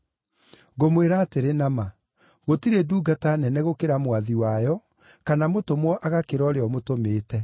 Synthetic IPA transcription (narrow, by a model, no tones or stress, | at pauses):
ɣomweɾaːteɾenama | ɣotiɾeduːɡatanɛnɛɣokeɾamwaðiwajɔ | kanamotomwɔʔaɣakeɾɔɾeɔmotomeːtɛ